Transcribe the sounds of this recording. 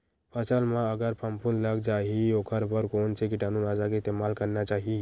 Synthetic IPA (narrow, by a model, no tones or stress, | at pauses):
pʰəsəlmãəɡəɾpʰəmpʰunləɡd͡ʒaːɦioːkʰəɾbəɾkoːnsekɪʈaːnunaːd͡ʒakest̪emaːlkəɾnat͡ʃaːɦi